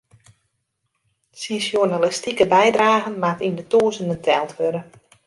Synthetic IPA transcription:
sisjonalɪstikəbɛjdraːɣənmatindətuːəzənəntʰɛlˠtʋøɾə

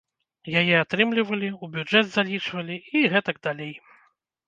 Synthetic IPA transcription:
jajɛat̪ɾɨmlʲivɐlʲiubʲud͡ʐɛd̪zalʲit͡ʂvɐlʲiiɣɛt̪ɐɡd̪alʲej

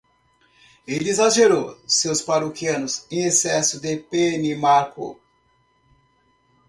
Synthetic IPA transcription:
eizaʒeɾowsewspaɾokiɐ̃nʊzẽj̃esɛsʊd̪epenimaɾkʊ̰

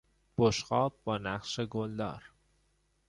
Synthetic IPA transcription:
b̥oʃɢɒːb̚bɒːnæqʃeɡold̪ɒ̰ːɾ

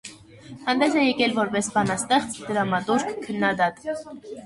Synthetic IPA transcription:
hɑnd̪ɛsɛjɛkɛlvɔɾbɛsbɑnɑst̪ɛχt͡sʰd̪̥əɾɑmɑt̪uɾkkʰənːɑd̪ɑt̪

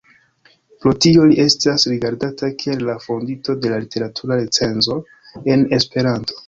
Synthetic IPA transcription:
plotioliʔe̞stasɾiɡaɾdatakʰielːafo̞ndito̞de̞lalite̞ɾatʰuɾaɾet͡se̞nzo̞ | e̞ne̞spe̞ɾanto̞̥

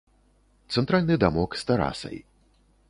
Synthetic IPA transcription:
t̪sɛnt̪ɾalʲnɨd̪amɔkst̪aɾa̰sɐ̰j

